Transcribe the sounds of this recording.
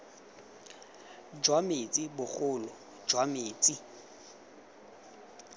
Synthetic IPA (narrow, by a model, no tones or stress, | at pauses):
d͡ʒwamet͡sʼibʊχʊːlʊ̥ | d͡ʒwameːt͡sʼi